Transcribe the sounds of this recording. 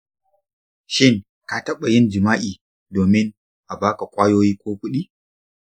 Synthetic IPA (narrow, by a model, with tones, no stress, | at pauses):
ʃɪ˦˨ŋ | ka˦tɐ˦ɓa˨jɪ˦nd͡ʒɪ˨maː˦ʔiː˨ | doː˨mɪ˦ŋ | ʔa˨baː˦ka˨kʷʼaː˦joː˦jiː˦kʷoː˦kʷʊ˦ɗiː˦